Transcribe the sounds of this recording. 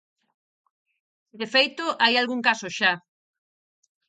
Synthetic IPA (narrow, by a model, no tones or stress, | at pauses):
siðefejt̪ʊʔajalɣuŋkasʊʃa